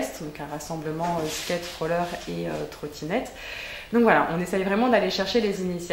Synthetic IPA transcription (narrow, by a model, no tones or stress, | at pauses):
st̪d̪ɔ̃kɛ̃ʁasɑ̃bləmɑ̃øskʲɛt̪fχolœʁeø̰t̪χot̪ʰinɛt̪ | d̪ɔ̃kvwala̰ʔɔ̃nesɛjvʁɛmɑ̃d̪aleʃɛʁʃelezinisja